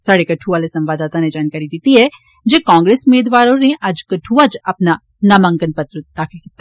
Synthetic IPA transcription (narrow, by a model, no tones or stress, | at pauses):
saːɽekɐʈʰuʋaːlesɐ̃mʋaːd̪aːt̪aned͡ʒaːnkaːɾid̪iːt̪iɦɛ | d͡ʒeːkãːŋɡɾeːsʊmeːd̪ʋaːɾoneʔɐd͡ʒkɐʈʰuʋad͡ʒɐpna | nɐmãŋɡənpɐt̪ɾəd̪̥aːkʰɪlkɪt̪ːa